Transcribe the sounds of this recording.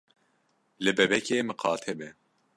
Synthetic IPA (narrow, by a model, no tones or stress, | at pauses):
lɨbɛbɛkeːmɨqʰɑːt̪ʰɛbɛ